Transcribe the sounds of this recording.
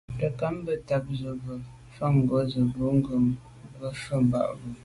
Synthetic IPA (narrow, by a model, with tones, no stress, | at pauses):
də˨ka˦mbə˦ta˨k̚zə˨bə˨ | fa˦˨ŋ˨ɡwə˨˦zə˨bə˨˦ŋ̩˦ɡə˨m | bə˦ʃə˦˨m̩˨ba̰˨ʔbə˨